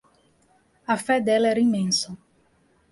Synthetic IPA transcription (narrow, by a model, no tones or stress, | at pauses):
ɐfɛd̪ɛlɐɛɾɐĩmẽnsɐ